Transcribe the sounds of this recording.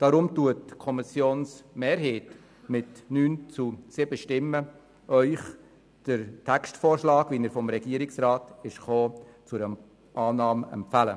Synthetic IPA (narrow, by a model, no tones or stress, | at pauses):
d̥ɑɾʊmtuətkʰɔmɪsjoːnsmeːɾɦeːt | mɪtnyːnt͡susɪbəʃtɪmːə | ʔœʏχ | d̥əɾtʰɛkstfoːrʃlɑːɡviːnəɾfɔmɾɛɡ̥iːəɾɪksrɑːtɪʃχoː | t͡sʊɾəm | ʔɑːnɑːmɛ̰mpfælə̰